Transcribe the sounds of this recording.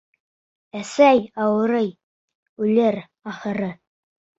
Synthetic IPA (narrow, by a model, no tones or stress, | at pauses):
æsæjɑwɤ̆ɾɤj | ʉlɘɾ | ɑχɤ̆ɾɤ